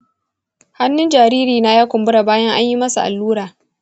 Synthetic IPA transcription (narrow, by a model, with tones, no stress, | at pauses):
ha˦nːʊ˦nd͡ʒaː˨ɾiː˦ɾiː˨na˦jaː˦kʷʊ˨mbʊ˦ɽa˨baː˦jɐ˦ŋʔa˦ɲji˦mɐ˦su˨ʔa̰˨lːuː˦ɽaː˨